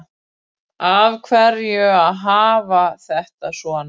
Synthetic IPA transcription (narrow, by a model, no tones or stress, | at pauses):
avkʰvɛɾjʏaðɦaːvaθɛht̪asvɔːn